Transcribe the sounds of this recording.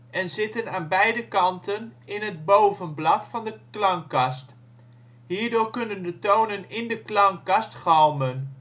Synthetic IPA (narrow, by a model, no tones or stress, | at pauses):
ʔɛnzɪtənaːnbɛjdəkɑntʰənɪnɦəd̚bowvənblɑtfɑndəklɑŋkɑst | hiːɹdʊːɹkɵnəndətownənɪndəklɑŋkɑstχɑlˠmən